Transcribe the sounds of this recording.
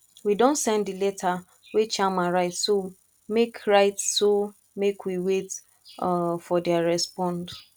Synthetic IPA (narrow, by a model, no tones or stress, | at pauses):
widõntsɛ̃nddilɛtʰa | wet͡ʃamãɹaɪtso | mekʰɹaɪtso | mekwiwet | fɔdɛaɹɛspɔ̃nd